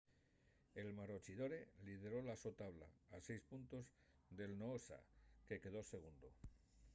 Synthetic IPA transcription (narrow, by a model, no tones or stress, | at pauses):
e̞lmaɾo̞t͡ʃiðo̞ɾe̞liðe̞ɾo̞lasot̪aβla̰ːse̞jspunt̪o̞z | d̪e̞lnoosa̰ke̞ke̞ð̞o̞se̞ɣ̞und̪o